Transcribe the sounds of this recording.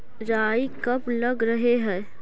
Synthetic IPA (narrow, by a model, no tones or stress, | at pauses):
ɾaːikɐplɐɡɾəɦeɦɛ̃ː